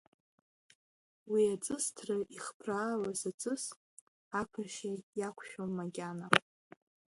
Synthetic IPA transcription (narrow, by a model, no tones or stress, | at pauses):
wiat͡sʼɨstʰrɨʔiχpʰraːlazat͡sʼɨs | akʷʰanʃajakʷʰʃᶣonmaɡʲana